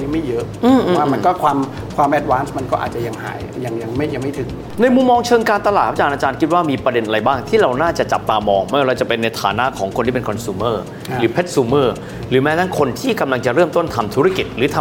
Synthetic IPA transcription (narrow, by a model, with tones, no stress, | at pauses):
ja˧ŋma˥˩jɤ˦˥ʔʔɯː˧˩ʔʔːaː˥˩ma˧kɔː˥˩kʰwaː˧m | kʰwaː˧mʔɛ˦˥t̪̚waː˦˥nsma˧nkɔː˥˩ʔa̰˨˩t͡ɕa˨ja˧ŋha̰ː˩˦jja˨˧ŋja˧ŋma˥˩ja˧ŋma˥˩jt̪ʰɯ˨˩˦ŋ | na˧jmu˧mːɔː˧ŋt͡ɕʰɤː˧ŋkaː˧nt̪a˧laː˨˩t̪̚ʰa˦˥˩t͡ɕaː˧nʔaː˧t͡ɕaː˧nkʰi˦t̪̚waː˥˩miː˧pɾa˧de˧nʔa˧a˧jbaː˥˩ŋt̪ʰiː˥˩ɾa˧wnaː˥˩t͡ɕa˨˩t͡ɕa˨˩p̚t̪aː˧mɔː˧ŋma˥˩˨ɾa˧wt͡ɕa˨˩pe˧nːa˧jt̪ʰaː˨˩˦na˦˥ʔkʰɔː˩˦ŋkʰo˧nt̪iː˥˩pe˧nkʰɔ˧nsuː˧mɤː˥˩ | ɾɯː˩˦pʰe˦˥t̪̚suː˧mɤː˥˩ | ɾɯː˩˦mɛː˦˥na˦˥nkʰo˧nt̪ʰiː˥˩ka˧mla˧ŋt͡ɕa˨˩ʔɾɤː˥˩mt̪o˥˩nt̪ʰa˧mt̪ʰu˦˥ɾa˥˩ki˨˩t̪̚ɾɯː˩˦t̪ʰa˧